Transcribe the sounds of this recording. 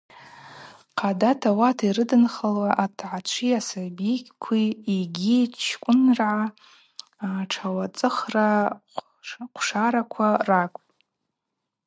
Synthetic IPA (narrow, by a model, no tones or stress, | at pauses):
qʰadatʰawatʰiɾɨdɨnχalwaʔatʰʕat͡ʃʷʰiasabikʲʼkʷʰiiɡʲit͡ʃʰkʷʼʊnrʕa | ʈ͡ʂʰawat͡sʼɨχra | qʷʰʂaɾakʷʰarakʷʼtʼ